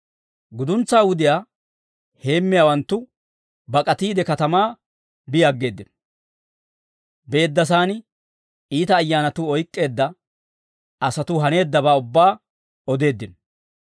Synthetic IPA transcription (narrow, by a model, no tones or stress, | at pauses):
ɡʊd̪ʊnt͡sːaːwʊd̪ɪjaː | he̞ːmːɪjaːwɐnt̪ːʊ | bɐkʼɐt̪iːd̪ɛkɐt̪ɐmaː | bɪjaɡːe̞ːd̪ːɪn | be̞ːd̪ːɐs̬aːnɪ | iːt̪ɐːjːaːnɐt̪ʊɔjkʼːe̞ːd̪ːɐ | ɐsɐt̪ʊɦɐne̞ːd̪ːɐbaːʊbːaː | ɔd̪e̞ːd̪ːɪn